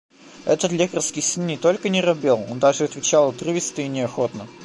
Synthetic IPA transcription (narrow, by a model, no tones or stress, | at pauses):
ɛt̪ət̪lʲekərskʲɪjsɨnːʲɪt̪o̞lʲkənʲɪɾɐbʲe̞lˠo̞nd̪aʐɨɐt̪vʲɪt͡ɕalˠɐt̪rɨvʲɪst̪ɨɪnʲɪɐxo̞t̪nə